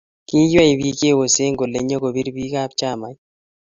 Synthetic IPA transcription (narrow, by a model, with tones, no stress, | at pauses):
ki˦ja˦i˨βi˦ke˦˨wo˨se˦ŋɡo˨le˨ɲo˦ko˨bi˦ɾbi˦ka˦pt͡ʃa˦˨ma˨j